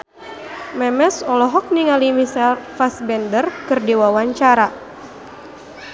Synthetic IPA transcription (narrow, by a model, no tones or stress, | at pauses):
mɛmɛsɔlɔɦɔk̚niŋalimisalfasbɛndərkɨrdiwawaɲt͡ʃaɾa